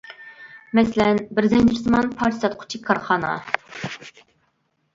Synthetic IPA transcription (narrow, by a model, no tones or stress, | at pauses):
mɛslɛnbɪɾzɛnd͡ʒɪɾsɨmɑnpʰɑɾʰisɑt̪̚qʰʊ̥t͡ʃʰɪkʰːɑɾχɑːnɑ̰